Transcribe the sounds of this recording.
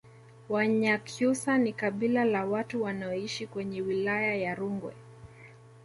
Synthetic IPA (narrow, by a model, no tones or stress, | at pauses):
waɲakʰjusanikaɓilalawatuwanaɔiʃikwɛɲɛwilajajaɾuŋɡwɛ̰